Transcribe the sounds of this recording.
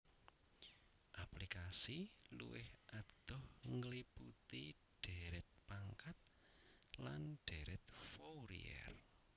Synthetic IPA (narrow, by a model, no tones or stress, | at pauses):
ʔaplikasilṵwɪhʔad̪̥ɔhŋəliput̪i | ɖ̥eɾɪt̪̚paŋkat̪̚ | lanɖ̥eɾɪt̪̚fowɾḭɛ̰r